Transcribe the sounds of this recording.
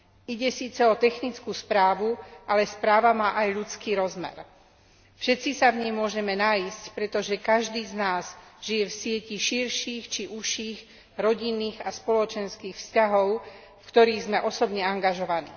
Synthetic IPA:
iɟɛsiːt͡sɛɔt̪ɛxnit͡skuːspɾaːʋuʔalɛspɾaːʋamaːʔajʎut͡skiːɾɔzmɛ̰ɾ | fʃɛt̪t͡sisavɲɛjmʊɔʒɛmɛnaiscpɾɛt̪ɔʒɛkaʒd̪iːznaːzʒ̥ijɛfsɪɛciʃiɾʃiːxt͡ʃiʔuʃiːɣ | ɾɔɟinːiːɣaspɔlɔt͡ʃɛnskiːxfscaɦɔʊ | fkt̪ɔɾiːɣzmɛʔɔsɔbɲɛaŋɡaʒɔʋanḭː

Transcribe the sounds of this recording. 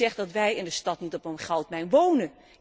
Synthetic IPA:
ɛχtdɑtʋɛjɪndəstɑtnitɔpənχɛlˠtmɛjnʋownən

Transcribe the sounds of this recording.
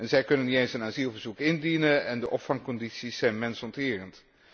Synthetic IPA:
ɛnzɛjkɵnənːitejnsənaːzilˠvəɹzukɪndinənɛndəʔɔpfɑŋkɔnditsisɛjnmɛnsɔntɪːrənt

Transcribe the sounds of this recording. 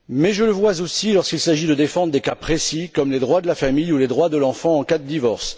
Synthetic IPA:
mɛʒələvwazosilɔʁskilsaʒid̪əd̪efɑ̃d̪ʁəd̪ekapχesikɔmled̪ʁwad̪əlafamijuled̪ʁwad̪əlɑ̃fɑ̃ɑ̃kad̪əd̪ivɔʁs

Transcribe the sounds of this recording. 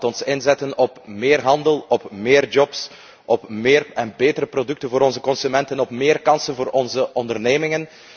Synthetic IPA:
tɔnsɪnzɛtənɔpmɪːrɦɑndəlˠɔpmeːrd͡ʒɔps | ʔɔpmeːrɛnbeːtəɾəprodɵk̚tənvoːɾɔnzəkɔnsymɛntənɔpmɪːrkɑnsənvoːɾɔnzəʔɔndərneːmɪŋən

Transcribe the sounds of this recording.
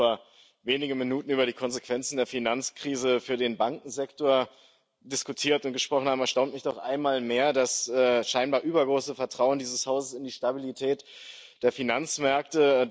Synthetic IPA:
ɐ | veːnɪɡn̩minuːtn̩yːbɐɾiːkʰɔnzekv̥ɛnt͡sn̩deːɐfinant͡skʁ̥iːzəfyːɐdeːnbaŋkŋ̩zɛktoːɐ | dɪskutʰiːɐtʊnt̚ɡ̥əʃpʁ̥ɔχn̩haːm̩ɛɐʃtaʊntmɪçd̥ɔχʔa̰ɪnmaːlmeːɐdasʔɛːʃaɪnbaːɐʔyːbɐɡʁoːsəfɛɐtʁ̥aʊəndiːzəshaʊzəsɪndiːʃtabilitʰɛːt | d̥eːɐfinant͡smɛɐk̚tə

